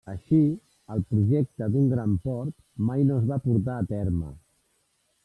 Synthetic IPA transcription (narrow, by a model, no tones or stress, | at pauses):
əʃi | əlˠpɾuʒek̚t̪əd̪uŋɡɾampɔɾt̪ | majnozβapuɾt̪aːt̪ɛɾmə̰